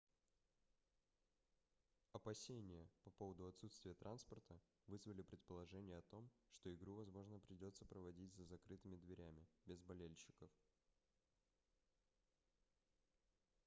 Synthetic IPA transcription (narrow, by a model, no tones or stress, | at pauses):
ɐpɐsʲenʲɪjəpɐpo̞vəd̪ʊɐt̪sut̪st̪vʲɪjət̪ɾʔanspərt̪ə | vɨzvəlʲɪpɾʲɪt̪̚pəlˠɐʐɛnʲɪjəɐt̪o̞mʂt̪o̞ɪɡɾuvɐzmo̞ʐnəpɾʲɪdʲo̞t̪səpɾəvɐdʲitʲzəzɐkɾɨt̪ɨmʲɪd̪vʲɪɾʲæmʲɪbʲɪzbɐlʲelʲɕɪkəf